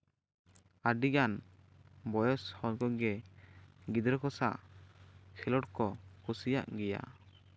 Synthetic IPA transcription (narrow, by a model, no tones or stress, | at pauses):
aɖiɡan | bɔjɔshɔnkɔɡɛ | ɡid̪ɾɔkɔsa̰ʔ | kʰɛlɔʈkɔkʰusija̰ʔɡɛja̰